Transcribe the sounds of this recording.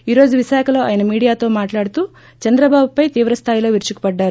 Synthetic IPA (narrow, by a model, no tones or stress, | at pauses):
iːɾo̞ːd͡ʒuʋiʃaːkʰɐlo̞ːʔa̰ːjɐnɐmiːɽijaːt̪o̞ːmaːʈlaːɽut̪uː | t͡ʃɐnd̪ɾɐbaːbupɐjt̪iːʋɾɐst̪ʰaːjilo̞ːʋiɾt͡ʃuku̥pɐɖːaːɾu